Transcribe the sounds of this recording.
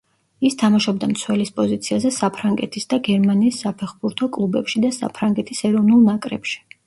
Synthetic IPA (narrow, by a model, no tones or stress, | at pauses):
ist̪ʰamaʃɔb̚d̪amt̪sʰwɛlispʼɔzit̪sʰiazɛsapʰɾaŋɡɛ̰t̪ʰisd̪aɡɛɾmaniːsːapʰɛχbuɾt̪ʰɔkʼlˠubɛpʃid̪asa̰pʰɾaŋɡɛt̪ʰisɛɾɔvnulˠnakʼɾɛ̰pʃi̥